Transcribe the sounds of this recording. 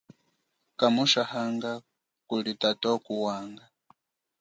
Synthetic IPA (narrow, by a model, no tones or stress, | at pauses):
kamuʃahaŋɡa | kulitatɔkuwaːŋɡa